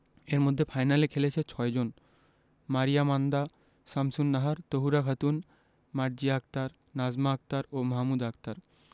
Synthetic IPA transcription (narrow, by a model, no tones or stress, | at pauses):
eɾmod̪ʱːefʰajnalekʰelet͡ɕʰet͡ɕʰɔed͡ʑon | maɾijamand̪a | samsunːaɦaɾt̪oɦuɾakʰat̪un | maɾd͡ʑiak̚t̪aɾ | nad͡ʑmaak̚t̪aɾomaɦamud̪akt̪aɾ